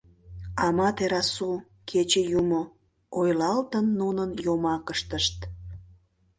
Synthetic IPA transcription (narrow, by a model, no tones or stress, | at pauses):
ɑmɑt̪eɾɑsu | kʰet͡ɕejumo | ojlɑlt̪ənːunənjomɑkəʃt̪əʃt̪